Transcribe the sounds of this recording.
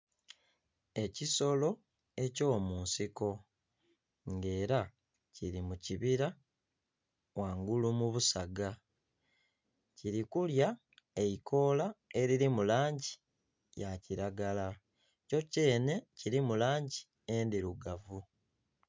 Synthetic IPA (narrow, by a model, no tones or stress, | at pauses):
e̞ciso̞lo̞ | e̞co̞ːmuːnsiko̞ | ŋɡe̞ːɾa | ciɾimuciβiɾa | waːŋɡulumuβusaɡa | ciɾikulja | eikʰo̞ːlae̞ɾiɾimulaːɲɟi | jaciɾaɡala | co̞ce̞ːne̞ciɾimulaːɲɟi | endiɾuɡavu